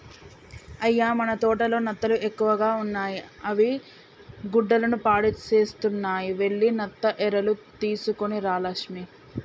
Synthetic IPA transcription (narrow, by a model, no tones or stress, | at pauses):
ɐjːaːmɐnɐt̪ɔːʈɐlo̞ːnɐt̪ːɐluʔe̞kːuʋɐɡaːunːaːjiɐʋi | ɡuɖːɐlɐnupaːɽit͡ʃeːst̪unːaːjiʋe̞ɭːinɐt̪ːɐʔɛɾɐlut̪iːsukoniɾaːlɐkʂmi